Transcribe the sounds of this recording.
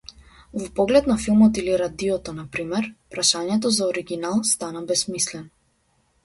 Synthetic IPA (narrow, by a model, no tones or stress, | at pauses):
vɔpɔɡlɛt̪nafilˠmɔt̪iliɾad̪iɔt̪ɔnapɾimɛɾpɾaʃaɲɛt̪̬ɔzaɔɾiɡʲinalˠst̪anabɛsmislɛnɔ